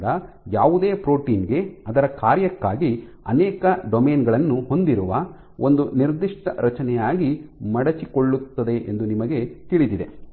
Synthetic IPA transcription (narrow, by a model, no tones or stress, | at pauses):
d̪ɐ | jaːʋud̪eːpɾo̞ːʈiːnɡe̞ɐd̪ɐɾɐkaːɾjɐkːaːɡi | ɐ̰nɛːkɐɖomeːnɡɐɭɐnːuho̞nd̪iɾuʋɐ | ʔo̞nd̪uniɾd̪iʂʈɐ̰ɾɐt͡ʃɐnɛjaːɡimɐɽɐt͡ʃiko̞ɭːut̪ːɐd̪e̞ʔḛnd̪unimɐɡe̞t̪iɭid̪id̪e̞̰